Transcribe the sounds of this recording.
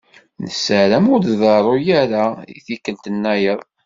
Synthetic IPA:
nəsəɾæmʊd̪ðɑɾˤojæɾaḭθikːənt̪ənːæjəðˤ

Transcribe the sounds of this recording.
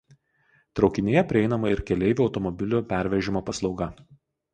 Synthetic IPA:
t̪ɾɒʊkʲɪnʲeːjɛpʲɾʲɪɛɪnɐmɐɪɾkʲɛlʲɛɪʋʲuɒʊt̪ɔmɔbʲɪlʲʊpʲæˑɾʲʋʲɛʒʲɪmoːpɐslˠɒʊɡɐ

